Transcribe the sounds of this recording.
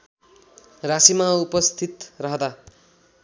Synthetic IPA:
rasimaupʌst̪ʰit̪rʌɦd̪a

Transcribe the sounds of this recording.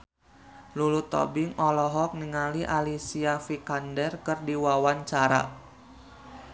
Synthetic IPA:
lulut̪ɔ̰bɪŋɔlɔɦɔk̚nəŋaliʔalisiafikandɛrkɨrdiwawaɲt͡ʃaɾa̰

